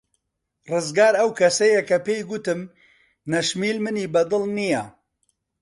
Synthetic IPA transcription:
rɨzɡaːɾɐwkʰɐsɐjɐkɐpeːjɡʊt̪ɨm | nɐʃmiːlmɨniːbɐd̪ɨlˠnijɐ

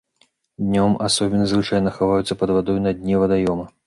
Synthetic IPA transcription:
d̪ʲnʲɔmasɔbʲɛnɐzvɨt͡ʂajnɐxavajut̪sːɐpɐd̪vad̪ɔjunɐd̪ʲnʲɛvɐd̪ajɔmɐ

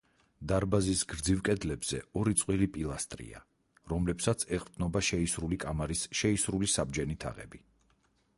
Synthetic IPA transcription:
d̪aɾbazisɡɾd̪zivkʼɛd̪lɛbz̥ɛ̰ɔɾit̪sʼqʼwilipʼilˠast̪ʼɾḭa̰ | ɾɔmlɛpsat̪sʰɛqʼɾd̪nɔbaʃɛisɾulikʼamaɾisʃɛisɾulisabd͡ʒɛnit̪ʰa̰ʁɛ̰bi

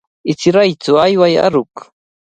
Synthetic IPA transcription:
ɪt͡sɾajt͡sʊajwaja̰ɾʊk

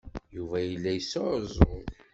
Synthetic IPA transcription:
juvæjəlːæjəsːəɾzˤʊð

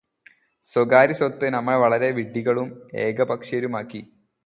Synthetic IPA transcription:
soɡaːɾisot̪ːɨnɐmːɐɭʋɐɭɐɾe̞ʋiɖːiɣɐɭume̞ːɡɐbɐkʂɐɾumaːkːi

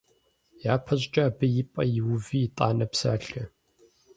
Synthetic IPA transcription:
jaːpʰɐɕʼt͡ʃʼaaːbɐjɪpʼɐ̰jɪwʊviːtʼa̰ːnɐpsa̰ːɬɐ

